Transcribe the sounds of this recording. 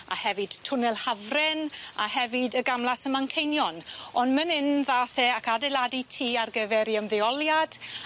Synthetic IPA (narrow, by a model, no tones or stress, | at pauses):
a̰hɛvɨd̥tʰʊnɛlˠhavrɛnahɛvɨdəɡamlˠasəmankʰejnjɔnɔndmənɪnðaːθɛakadɛlˠaditʰiːarɡəvɛɾiəmðɛɔlˠjad̥